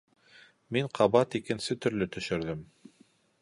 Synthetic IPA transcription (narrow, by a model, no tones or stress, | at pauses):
miɴqʰɑβɑt̪ikɘ̆nsɘt̪ɵ̆ɾlɵt̪ɵ̆ʃɵ̆ɾðɘm